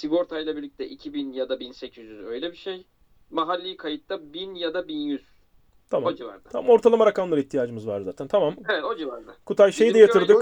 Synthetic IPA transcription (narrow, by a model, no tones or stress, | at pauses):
siɡo̞ɾt̪ʰajlˠabiɾlʲic̚t̪ʰɛʔicʰibinjad̪abinsecʰyzjyzø̞jlʲɛbiʃej | maɦalʲːijikʰajɯt̪lˠabinjad̪abinjyz̥ | t̪ʰamod͡ʒiva̰ɾd̪aamamo̞ɾt̪ʰalˠamaɾakamlˠaɾɯiçt̪ʰijaːd͡ʒɯmɯzva̰ɾzaːt̪ʰænt̪ʰamamevɛt̪od͡ʒivaɾd̪akʰut̪ʰajʃejid̪ɛjaɯɾd̪ɯk